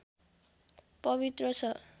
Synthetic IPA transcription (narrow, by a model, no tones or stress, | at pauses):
pʌβit̪rʌt͡sʰʌ